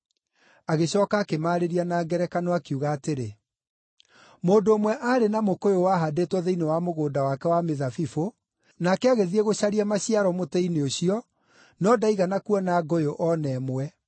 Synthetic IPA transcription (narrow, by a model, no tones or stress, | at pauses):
aɣeɕɔːkaːkemaːɾeɾianaːɡɛɾɛkanɔakiuɣaːteɾe | moːndoːmwɛʔaɾenamokojowaɦadetwɔðeinewamoɣoːdawakɛwameðafifo | nakɛaɣeðieɣoɕaɾiamaɕiaɾɔmotɛineoɕiɔ | nɔdaiɣanakuɔnaːɡojoʔɔnɛmwɛ